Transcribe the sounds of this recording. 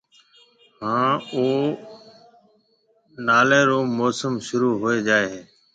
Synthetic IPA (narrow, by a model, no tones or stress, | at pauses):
ɦãːoː | naːlẽːɾoːmoːsəmʃʊɾuːɦoːeːd͡ʒaːeɦeː